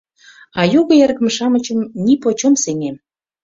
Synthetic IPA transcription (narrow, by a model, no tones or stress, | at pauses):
ɑjuɣə̆jerɣə̆mʃɑmə̆t͡ɕə̆mnipot͡ɕomseŋem